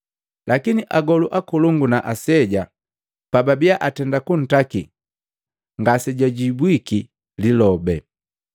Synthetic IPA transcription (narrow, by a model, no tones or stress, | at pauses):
lʔakiniʔaɡɔluʔakuluŋɡunaʔasɛɟa | pababiaʔatɛndakun̩taki | ŋɡasɛɟaɟibwiki | lilɔbɛ